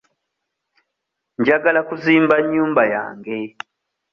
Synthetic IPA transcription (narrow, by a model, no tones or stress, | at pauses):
ɲd͡ʒaɡalakuziːmbaɲuːmbaja̰ːŋɡe